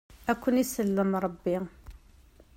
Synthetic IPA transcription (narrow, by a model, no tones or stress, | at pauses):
ækʷːənisəlːəmɾˤɑbːi